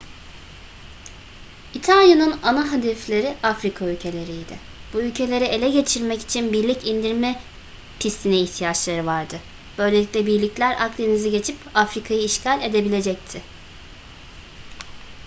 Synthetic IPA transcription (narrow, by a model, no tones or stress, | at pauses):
it̪ʰalʲˠjanɯnanaɦad̪ɛflʲe̞ɾiʔafɾikʰaylʲcʰe̞lʲe̞ɾijd̪ɪ̰ | b̥uylʲcʰe̞lʲe̞ɾɛʔe̞lʲɛɟe̞t͡ʃʰiɾmɛci̥t͡ʃʰinbiɾlʲicind̪iɾmɛ | pʰist̪ʰiniːçt̪ʰijat͡ʃlˠaɾɯvaɾd̪ɯ | b̥ø̞jlʲelʲicʲlʲɛbiɾlʲiclʲæɾʔaklʲiniziɟe̞t͡ʃʰipafɾikʰajɯiʃcʰalʲe̞d̪e̞bilʲe̞d͡ʒɛc̚t̪ʰɪ